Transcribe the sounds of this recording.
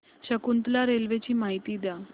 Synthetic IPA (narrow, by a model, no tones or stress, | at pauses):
ɕəkunt̪laɾelʋet͡ɕiːmaɦit̪iːd̪a